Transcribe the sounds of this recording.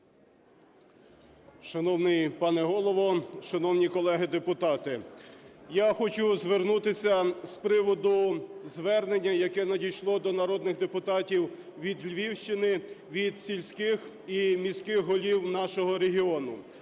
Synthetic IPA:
ʃɐnɔwnɪjpɑnɛɦɔlˠɔʋɔʃɐnɔwnʲikɔlˠɛɦɪd̪epʊt̪ɑt̪ɪ | jaxɔt͡ʃʊzʋernut̪ɪsʲɐspɾɪʋɔd̪ʊzʋɛrnenʲːɐjɐkɛnɐdʲijʃlˠɔd̪ɔnɐɾɔd̪nɪɣd̪epʊt̪ɑtʲiw | ʋʲid̪lʲʋʲiwʃt͡ʃɪnɪʋʲid̪sʲilʲsʲkɪx | imʲisʲkɪxɦɔlʲiwn̪ɑʃɔɦɔɾeɦiɔnʊ

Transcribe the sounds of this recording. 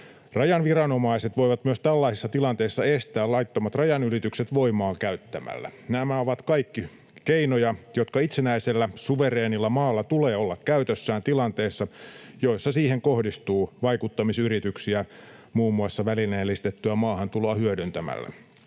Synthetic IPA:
rɑjɑnʋirɑnomɑiset̪ʋo̞iʋɑt̪myøst̪ælːɑisisːɑt̪ilɑnt̪eisːɑest̪æːlɑit̪ːomɑt̪rɑjɑnyrit̪ykset̪ʋo̞imɑːkæyt̪ːæmæ̰lːæ̰næmæoʋɑt̪kɑikːi | keinojɑjot̪kɑit̪senæiselːæsuʋereːnilːɑmɑːlːɑt̪uleːolːɑkkæyt̪øsːæːnt̪ilɑnt̪eːsːɑjoisːɑsiːheŋkohdist̪uːʋɑikut̪ːɑmisyrit̪yksiæmuːmːuɑsːɑʋælineːlːist̪et̪ːyæmɑːhɑnt̪uloɑhyødynt̪æmæ̰lːæ̰

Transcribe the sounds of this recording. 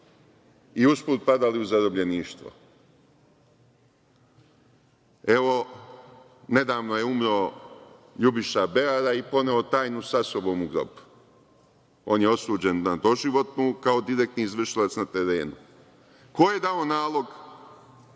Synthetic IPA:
iuspuːt̪̚pad̪aliuzaɾo̞bʎe̞niːʃt̪ʋo̞̰ | e̞ʋo̞ | ne̞d̪aːʋnojeumɾo | ʎubiʃabe̞aɾaipo̞neot̪aːjnusaso̞bo̞ːmuɡɾo̰pu̥ | o̞ːnjeo̞suːd͡ʑennad̪o̞ʒiʋo̞t̪nukao̞d̪iɾek̚t̪niːzʋr̩ʃilat̪snat̪eɾeːnu | ko̞je̞d̪ao̞naːlˠo̞ɡ

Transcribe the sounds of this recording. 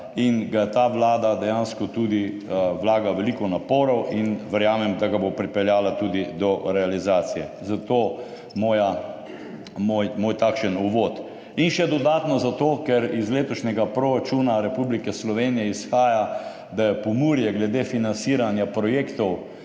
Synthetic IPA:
inɡajɛt̪aːʋlaːd̪ad̪ɛjanskɔt̪uːd̪i | ʋlaːɡaʋɛlikɔnapoːɾɔwʔinʋɛɾjaːmɛmd̪aɡabopɾipɛljaːlat̪uːd̪id̪ɔɾɛalizaːt̪sijɛzat̪oː | moːja | mojmoːjt̪akʃənuʋoːt̪ | inʃɛd̪ɔd̪aːt̪nɔzat̪oːkɛɾizleːt̪ɔʃnʲɛɡapɾoɾat͡ʃuːnaɾɛpublikɛslɔʋeːnijɛisxaːja | d̪ajɛpɔmuɾjɛɡlɛd̪eːfinansiːɾanjapɾɔjeːkt̪ɔw

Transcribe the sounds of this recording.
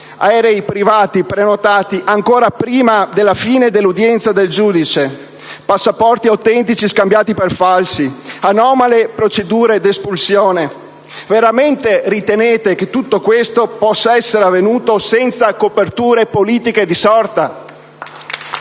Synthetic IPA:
aɛɾeipɾivaːt̪ipɾenot̪aːt̪iʔaŋkoːɾapɾiːmad̪elːafiːned̪elːud̪jɛnt̪sad̪eld͡ʒuːd̪it͡ʃe | pasːapɔrt̪iawt̪ɛnt̪̬it͡ʃiskambjaːt̪iperfalsianɔːmalepɾot͡ʃed̪uːɾed̪espulsjoːne | veɾament̪eɾit̪eneːt̪ek̟et̪ːut̪ːokwest̪opɔsːaɛsːeɾeavːenuːt̪osɛnt̪sakopert̪uːɾepoliːt̪iked̪isɔrt̪a

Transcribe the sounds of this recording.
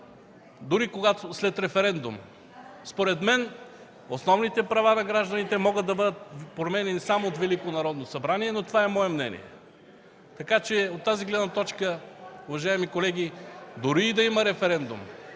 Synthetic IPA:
d̪ʊɾikoɡat̪oslɛt̪ɾɛfɛɾɛnd̪ṵm | spoɾɛt̪mɛn | osnɔvnit̪ɛpɾɐvanɐɡɾaʒd̪ɐnit̪ɛmɔɡəd̪d̪ɐbɤd̪ət̪̚pɾomɛnɛnisamoːt̪vɛlikonɐɾɔd̪nosɐbɾaniɛnot̪ovaɛmɔɛmnɛ̰nḭɛ̰ | t̪ɐkat͡ʃɛot̪ːaziɡlɛd̪nɐt̪ɔt͡ʃkəʊvɐʒaɛmikolɛɡʲid̪ʊɾiːd̪ɐiməɾɛfɛɾɛnd̪ṵm

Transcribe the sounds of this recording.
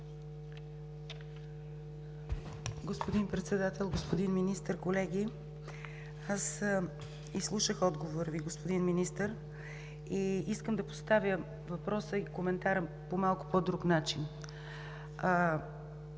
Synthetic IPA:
ɡospod̪inpɾɛt̪sɛd̪at̪ɛlˠɡospod̪inminist̪əɾkolɛɡʲi | as | islˠuʃəxɔd̪ɡovoɾviɡospod̪inminist̪əɾ | iiskəmd̪ɐpo̥st̪avjə | vɐpɾɔsəikomɛnt̪aɾə | pomalˠkʊ̥pod̪ɾuknat͡ʃin

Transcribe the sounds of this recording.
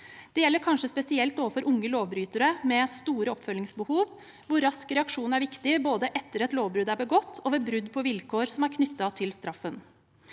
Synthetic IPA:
d̪̥ɛjɛlːəɾkʰɑnʂəspɛsɪɛlt̪oːʋəfɔɾʔʊŋːəloːʋbɾyːt̪əɾəmɛst̪uːɾəɔpfœlːɪŋsbəhuːʋ | ʋʊɾːɑskɾɛɑkʂuːnæɾʋɪkt̪ɪboːd̪əʔɛt̪ːəɾɛt̪loːʋbɾʉd̪æɾbəɡɔt̪ʰːoːʋɛbɾʉd̪ːpʰɔʋɪlkʰoːɾsɔmæɾkʰnʏt̪ːɑt̪ʰɪlst̪ɾʔɑfːən

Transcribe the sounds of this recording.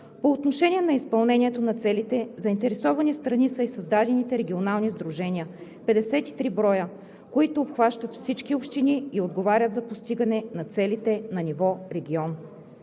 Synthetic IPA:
poːt̪noʃɛnʲiɛnɐispɐlˠnɛnʲiɛt̪onɐt̪sɛlit̪ɛzɐint̪ɛɾɛsɔvɐnist̪ɾɐnisəisɐzd̪ad̪ɛnit̪ɛɾɛɡʲionalˠnizd̪ɾuʒɛnʲiə | pɛd̪ɛsɛt̪i̥t̪ɾibɾɔjə | koit̪ʊːpxvaʃt̪ət̪fsit͡ʃkiopʃt̪iniːod̪ɡovaɾʲət̪zɐpost̪iɡɐnɛnɐt̪sɛlit̪ɛnɐnivɔɾɛɡʲiɔn

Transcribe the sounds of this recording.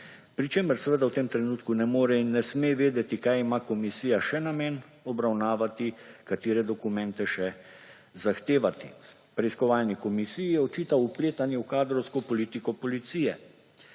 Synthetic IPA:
pɾit͡ʃeːməɾsɛʋəd̪awt̪emt̪ɾɛnuːt̪kunɛmoːɾɛinːɛsmeʋeːd̪ɛt̪ikajimakɔmisiːjaʃɛnamen | ɔbɾawnaːʋat̪ikat̪eːɾɛd̪ɔkumɛ̃nt̪ɛʃɛ | zaxt̪eːʋat̪ḭ | pɾɛiskɔʋaːlnikɔmisijijɛɔt͡ʃiːt̪aupleːt̪anjɛwkaːd̪ɾɔwskɔpɔliːt̪ikɔpɔlit̪siːjɛ

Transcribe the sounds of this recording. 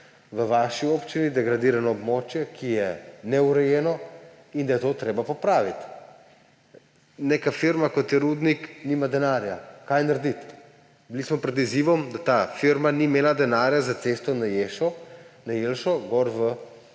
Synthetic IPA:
ʋəʋaʃiopt͡ʃinid̪ɛɡɾad̪iːɾanɔːbmoːt͡ʃjɛkʰijɛnɛuɾɛjeːnɔ | ind̪ajɛt̪ot̪ɾeːbapɔpɾaːʋit̪ | neːkafiɾmakɔt̪jɛɾud̪nikniːmad̪ɛnaɾjakajnaɾd̪it̪ | bilismɔpɾɛd̪iziʋɔmd̪at̪aːfiɾmanimeːlad̪ɛnaːɾjazat̪sest̪ɔnajeʃɔnajelʃɔɡɔɾʋə

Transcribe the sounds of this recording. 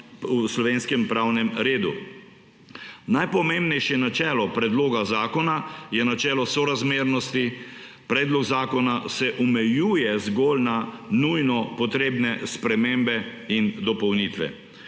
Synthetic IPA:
uslɔʋeːnskɛmpɾawnɛmɾeːd̪ṵ | najpɔmẽmbnɛjʃjɛnat͡ʃɛːlɔpɾɛd̪loːɡazaːkɔnajɛnat͡ʃɛːlɔsɔɾazmeːɾnɔst̪ipɾɛːd̪lɔɡzaːkɔnasɛʔumɛjuːjɛzɡolnanujnɔpɔt̪ɾeːbnɛspɾɛmembɛind̪ɔpɔwnit̪ʋɛ̰

